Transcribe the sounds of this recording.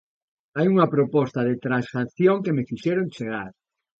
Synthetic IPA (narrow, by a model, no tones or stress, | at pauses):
ajuŋɐpɾopɔst̪ɐðɪt̪ɾansaθjoŋkemɪfiʃɛɾont͡ʃeɣ̞aɾ